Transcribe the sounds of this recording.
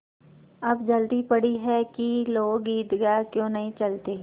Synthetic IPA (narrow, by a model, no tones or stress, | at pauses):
ɐbd͡ʒɐld̪ipɐɽiɦɛkiloːɡiːd̪ɡakjõːnɐɦĩt͡ʃɐlt̪eː